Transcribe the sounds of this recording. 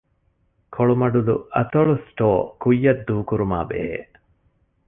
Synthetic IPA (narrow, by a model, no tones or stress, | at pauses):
kʰoɭumɐɖud̪ṵɐt̪oɭusʈoːkujːɐd̪ːuːkuɾuma̰ːbḛḛʔ